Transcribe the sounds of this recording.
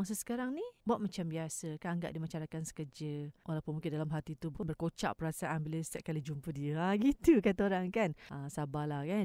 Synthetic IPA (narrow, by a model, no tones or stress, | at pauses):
aŋs̬əsə̥kaɾaŋnibawaʔ̪̚mat͡ʃambiasəkanaŋɡa̰ʔdimat͡ʃaɾakansə̥kəd͡ʒəwalapʊnmũŋkɪndalamɦat̪it̪ubəkanbərkot͡ʃa̰ʔpəɾasaʔanbələst̪ɛʔ̚kalid͡ʒumpədiəaɡit̪ukat̪aoɾaŋkanʔəsabalahkan